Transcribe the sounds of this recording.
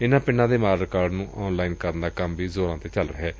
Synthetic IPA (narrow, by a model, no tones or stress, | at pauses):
ɪnãːpɪɳːãːd̪eːmaːɾɾɪkaːɾɖnũːʔɔːnlaːiːnkəɾnd̪aːkəmʋiːzoːɾãːt̪eːt͡ʃəlɾəɦɛː